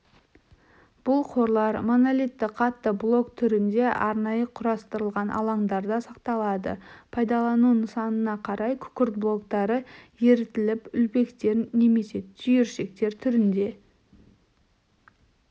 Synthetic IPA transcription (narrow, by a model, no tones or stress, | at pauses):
b̥ʊlˠqʰo̞ɾlˠɑɾmonolit̪ːɪqʰɑt̪ːəblˠo̞kt̪ʰʏɾɪnd̪e̞ʔɑɾnɑjəqʰʊɾɑst̪əɾəlˠʁɑnʔɑ̰lˠɑɴd̪ɑɾd̪ɑsɑq̚t̪ɑlˠɑd̪ə̰pʰɑjd̪ɑlˠɑnunəsɑnənɑqʰɑɾɑjkʲʰʏ̥kʲɪɾt̪̚blˠo̞kt̪ɑɾəje̞ɾɪt̪ɪlɪpʏlbe̞kt̪e̞ɾne̞me̞se̞t̪ʰʏjeɾʃe̞k̚t̪e̞ɾt̪ʰʏɾɪnd̪e̞